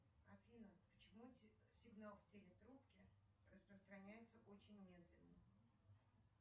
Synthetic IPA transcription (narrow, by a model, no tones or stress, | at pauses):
ɐfʲinəpət͡ɕɪmu | sʲɪɡnalˠftʲelʲɪt̪ɾupkʲɪ | rəspɾəst̪ɾɐnʲæjɪt̪səʔot͡ɕɪnʲmʲe̞d̪lʲɪnːə